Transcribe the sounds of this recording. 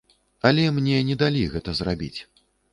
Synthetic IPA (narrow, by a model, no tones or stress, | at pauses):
ɐlʲɛmnʲɛnʲɛd̪alʲiɣɛt̪ɐzrabʲḭt͡sʲ